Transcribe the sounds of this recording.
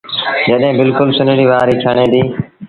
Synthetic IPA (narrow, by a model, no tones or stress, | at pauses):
d͡ʒəɗɦɪ̃ːbɪlkʊlsʊnɽiːʋaːɾiːkʰəɳ̃ẽːd̪iː